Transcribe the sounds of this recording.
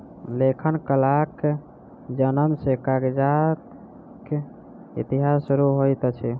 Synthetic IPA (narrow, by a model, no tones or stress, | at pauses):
lekʰənkəlake | d͡ʒənəmsekaɡd͡ʒat̪ | ke | ḭt̪iɦasuɾuɦojt̪t͡ʃʰi